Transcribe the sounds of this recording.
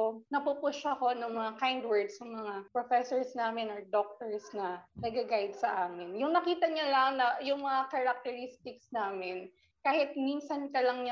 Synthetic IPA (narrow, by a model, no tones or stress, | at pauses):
nɐpupʊʃɐko̞nɐŋmɐŋakajnd̪wɛɹd̪sjʊŋmɐŋapɾofɛsɔɹsnaːmɛnɔɹd̪ok̚t̪ɔɹsnɐnɐɡɡaɡajd̪̚sɐʔaːmɪnjʊŋnɐkiːt̪ɐɲalaŋnɐjʊŋmɐŋakɐɾɐk̚t̪ɛɾist̪ɪksnaːmɪn | kaːhɪt̪̚miːnsɐnkɐlɐŋɲa